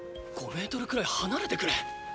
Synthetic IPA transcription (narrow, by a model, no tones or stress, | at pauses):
ɡ̥o̞me̞ːt̪o̞ɾɯ̟kɯ̟ɾaihanaɾe̞t̪ekɯ̟ɾe